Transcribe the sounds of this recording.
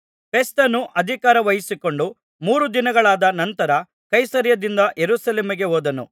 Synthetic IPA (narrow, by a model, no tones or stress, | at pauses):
pʰe̞st̪ɐnːuʔɐd̪ʱikaːɾɐʋɐjisiko̞ɳɖu | muːɾud̪inɐɡɐɭaːd̪ɐnɐnt̪ɐɾɐ | kɐjsɐːɾjɐd̪ind̪ɐʔjeɾuːsɐleːmiɡe̞ɦoːd̪ɐnṵ